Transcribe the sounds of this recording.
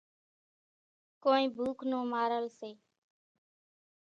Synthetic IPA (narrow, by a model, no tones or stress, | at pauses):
koːnĩːbʱuːkʰnõːmaːɾəlseː